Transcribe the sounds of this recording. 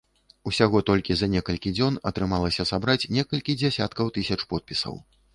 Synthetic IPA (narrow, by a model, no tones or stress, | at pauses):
usʲaɣɔt̪ɔlʲkʲizɐnʲɛkɐlʲkʲid͡zʲɔnɐt̪ɾɨmalˠɐsʲɐsabɾat͡sʲnʲɛkɐlʲkʲid͡zʲɛsʲa̰t̪kɐwt̪ɨsʲɐt͡ʂpɔt̪̚pʲisɐ̰w